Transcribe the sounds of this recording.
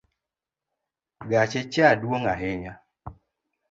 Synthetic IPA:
ɡat͡ʃɪt͡ʃadwoŋaɦɪɲa

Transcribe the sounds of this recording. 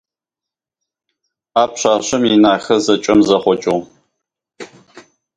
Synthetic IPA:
aːpɕaːɕɐminaːxɐzɐt͡ʃʼɐmzɐχʷɔt͡ʃʼɪʁ

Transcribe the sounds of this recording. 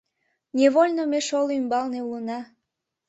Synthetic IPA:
nʲeβolʲnomeʃolymbɑlneulənɑ

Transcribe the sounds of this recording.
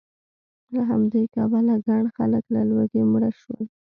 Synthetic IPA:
laɦamd̪ejkɑbalaɡaɳxa̰ləklalwaɡemɽaʃu

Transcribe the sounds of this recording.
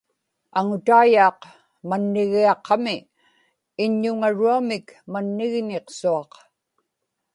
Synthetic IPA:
aŋʊt̪aːjɑːq | manːɪɣiɑqːɑmɪː | ɲːʊŋaɻuamɪkmanːɪɣneqsuɑq

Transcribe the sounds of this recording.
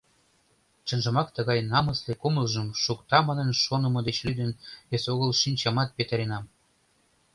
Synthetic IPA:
ʃə̆nʒə̆mɑkt̪ə̆ɣɑjnɑmɤ̆slekuməlˠʒə̆mʃukt̪ɑmɑnə̆nʃonə̆mɤ̆d̪et͡ɕlyd̪ənβesoɣəlʃinʲt͡ɕɑmɑt̪̚pet̪əɾenɑm

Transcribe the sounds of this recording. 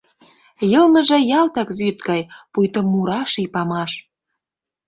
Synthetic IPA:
jɤ̆lmə̆ʒĕjɑlt̪ɑkβyt̪ɡɑjpujt̪ŏmːuɾɑʃipɑmɑʃ

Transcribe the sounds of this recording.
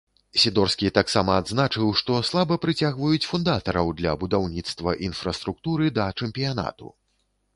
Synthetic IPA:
sʲid̪ɔrskʲit̪aksamɐːd̪znat͡ʂɨwʂt̪ɔslˠabɐpɾɨt͡sʲaɣvɐjut͡sʲfund̪at̪ɐɾɐwd̪lʲɐbud̪awnʲit̪st̪vɐʔinfɾɐst̪ɾuk̚t̪uɾɨd̪ɐt͡ʂɛmpʲijana̰t̪ṵ

